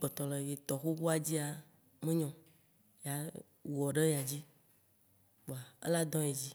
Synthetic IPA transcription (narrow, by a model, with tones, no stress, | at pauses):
k͡pɔ˨t̪ɔ˨le˨je˨t̪ɔ˨xu˦xu˦a˨d͡ʑi˦a˨ | mẽ˦ɲɔ̃˨ | ja˨ | ɔ˨ɖe˦ja˨d͡ʑi˦ | o˨a˨ḛ˦la˦d̪ɔ̃˦je˨d͡ʑi˦